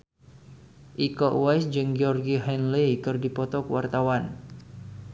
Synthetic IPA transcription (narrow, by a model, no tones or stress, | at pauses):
ʔikɔʔwajsd͡ʒɨŋɡiɔrɡiɦɛnlikɨrdipɔt̪ɔkwart̪awan